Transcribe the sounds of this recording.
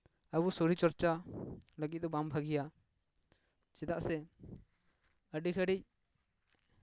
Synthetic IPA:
əbusoɾit͡ʃɔɾt͡ʃaləɡit̪̚d̪ɔbambʱəɡija | t͡ʃɛd̪aʔsɛ | əɖikʰəɖic̚

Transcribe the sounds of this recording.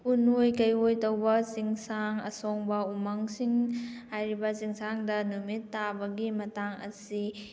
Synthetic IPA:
unojkɐjojtɐwbɐsiŋsaŋɐ̰sɔŋbɐumɐŋsiŋhajɾibɐziŋsaŋdɐnumitːabɐɡimɐtaŋɐ̰si

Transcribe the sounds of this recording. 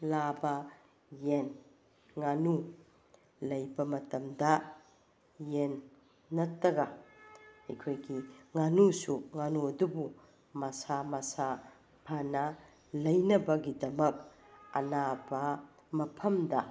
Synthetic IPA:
labɐ | jen | ŋanu | lɐjbɐmɐtɐmdɐ | jenː | ɐtːɐɡɐ | hɐjkʰojɡiŋanusuŋanuɐdubu | mɐsamɐsa | pʰɐnɐ | lɐjnɐbɐɡidɐmɐk̚ | ɐ̰nabɐ | mɐpʰɐmdɐ

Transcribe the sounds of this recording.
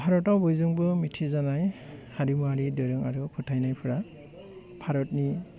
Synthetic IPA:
pʰaɾɔtawbɔjzuŋbɯmitʰizanajhadimaɾidɔɾɯŋaɹupʰutʰajnajpʰuɹa | pʰaɾɔt̚ni

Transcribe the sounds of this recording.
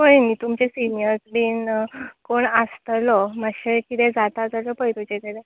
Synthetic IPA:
ɦojnit̪umt͡ɕesinijəɾsɖiːnkoɳəst̪lɔmaɕekit̪ɛd͡zat̪ad͡zalɔpəjt̪ut͡ɕet̪eɾɛ

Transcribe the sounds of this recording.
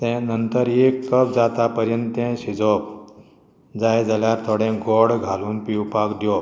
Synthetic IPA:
t̪ɛ̃nənt̪əɾekːəp̚d͡zat̪apəɾjənt̪ẽɕid͡zɔp̚ | d͡zajd͡zaljaɾt̪ʰoɽẽɡɔɽɡʱaluːnpiwpakd̪jɔp

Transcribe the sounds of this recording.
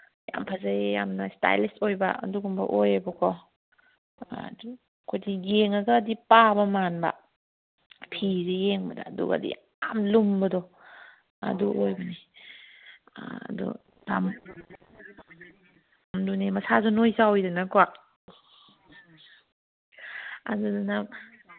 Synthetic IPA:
ja̰mpʰazaejamnɐsta̰jlistojbɐ̰ɐ̰duɡumbɐ̰ʔojabɐkʰɔ | du | kʰojdiɡeŋɐɡɐːdipabɐmanbɐ̰ | pʰizijeŋbɐda̰dṵkɐ̰dḭ | amlumbɐdɔ | ɐ̰duʔojbɐni | ɐ̰dṵ | dam | amdunemɐsazunojzawjdanakɔak | a̰duduna

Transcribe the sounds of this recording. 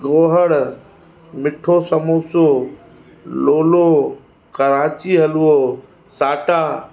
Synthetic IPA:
ɡoːɦəɽ | mɪʈʰosɐmoːsoː | loːlo | kɐɾaːt͡ɕiɦɐluoː | saːʈaː

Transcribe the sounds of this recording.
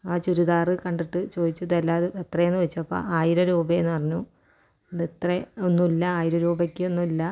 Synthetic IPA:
aːt͡ɕuɾuðaːrɨkɐɳɖiʈːɨt͡ɕo̞ːd̪it͡ɕːɐðelːaːðuet̪rɐjenːɨʋɐt͡ɕːuɐpːo̰ːaːjiɾɐɾuːbɐenːɨɐrɐɲːu | ɐðet̪reonːumilːɐaːjiɾɐɾuːbɐkʲːɨonːumilːɐ

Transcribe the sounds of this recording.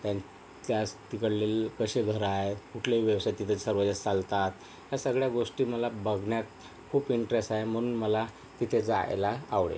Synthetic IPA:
t̪jan | t̪jast̪ikəɽlelkəɕeɡʱəɾaɦetkuʈʰljeiʋjəʋsajt̪it̪ʰet͡ssəɾʋəd͡zat͡salt̪at̪ | jasəɡɭjaɡoʂʈiːməlabəɡʱɳjat̪̚ | kʰuːpiɳʈɾesʈaɦem̤əñuːnməla | t̪it̪ʰed͡za̰j̰laːʋɭḛ

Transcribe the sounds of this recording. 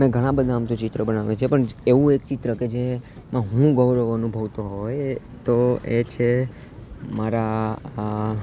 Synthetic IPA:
mɛ̃ɡʱəɽ̃ãbəd̪ʱaːmt̪ũt͡ʃɪt̪ɾəbənaʋẽt͡ʃʰepəɳeʋũekt͡ʃɪt̪ɾəked͡ʒemãɦũɡəʋɾəʋənubʱəʋt̪oɦoj | t̪oet͡ʃʰe | maɾa

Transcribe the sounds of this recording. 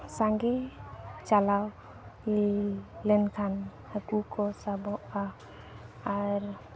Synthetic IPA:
saŋɡɛt͡ʃalaw | lɛnkʰan | həkukɔsabɔʔa | aɾ

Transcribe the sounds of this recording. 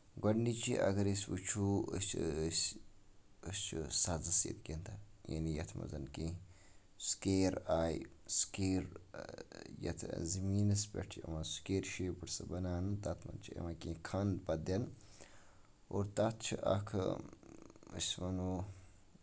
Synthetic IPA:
ɡɐnːit͡ʃʰiʔɐɡɐɾisʲʋut͡ʃʰuəst͡ʃʰs | əst͡ʃʰisazɨsḛt̪ɡʲend̪ajɐ̰nijɐt̪ʰmɐ̰zɐnkẽ | skeːɾaːjskeːɾ | jɐ̰t̪ʰzɐmiːnɐspʲɐ̰ʈʰɐ̰maskeːɾʃeːpɨʈsɐbɐnaːnɨt̪at̪ʰmɐ̰nt͡ʃʰiɐ̰makẽːkʰɐnpɐd̪ɐn | oːɾt̪at̪ʰt͡ʃʰiʔɐ̰kʰ | ɨsʲmɐnoː

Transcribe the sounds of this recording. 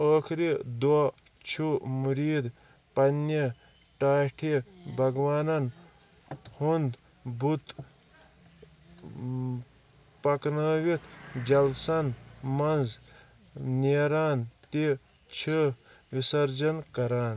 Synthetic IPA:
əːkʰɾid̪wɐ | t͡ʃʰumuɾiːd̪ | pɐnjɐ | ʈaːʈʰibʱɐɡʋaːnɐn | hund̪ | bʱut̪ | pɐknəːʋit̪ʰd͡ʒɐlsɐnmɐnz | niɾaːnt̪i | t͡ʃʰi | ʋisɐɾd͡ʒɐnkɐɾaːn

